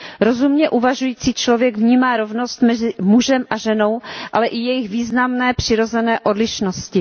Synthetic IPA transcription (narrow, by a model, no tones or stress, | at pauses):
ɾo̞zumɲɛʔuvaʒujiːt͡siːt͡ʃlo̞vjɛɡvɲiːmaːɾo̞vno̞st̪mɛzɪmuʒɛmʔaʒɛno̞wʔalɛʔɪjɛjɪxviːznamnɛːpr̝̥ɪɾo̞zɛnɛːʔo̞dlɪʃnoscɪ